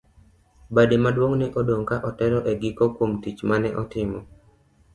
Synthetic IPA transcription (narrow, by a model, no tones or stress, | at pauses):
bademadwoŋnɪʔɔdoŋkaʔɔtɛɾɔʔeɡɪkokwomtit͡ʃmanɛʔɔtɪmɔ